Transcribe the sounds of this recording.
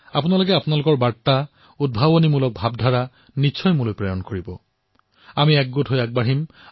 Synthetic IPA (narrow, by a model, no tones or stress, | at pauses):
apunalokɛapunalʊkɔɹbaɹtːa | ud̚bʱabonimulɔk̚bʱabdʱaɹa | nitːʃʰɔjmulojpɹɔjɔnkoɹibɔ | amiɛk̚ɡotɦojak̚baɹim